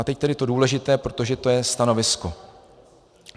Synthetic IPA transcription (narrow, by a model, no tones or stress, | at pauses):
at̪ɛc̚t̪ɛdɪt̪o̞duːlɛʒɪt̪ɛːpɾo̞t̪o̞ʒɛt̪o̞jɛst̪ano̞vɪsko